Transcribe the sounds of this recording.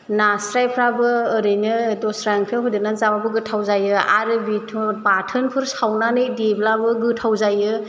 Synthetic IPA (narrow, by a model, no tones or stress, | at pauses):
nasɾajpʰɾabɯːɾɯjnɯdɔsɾaŋkʰɯɦudɯnazababɯɡɯtʰawzajɯa̰ɾɯbitʰɔbatʰɯnkʰuɾsawnanɯjdeblabɯɡɯtʰawzajɯ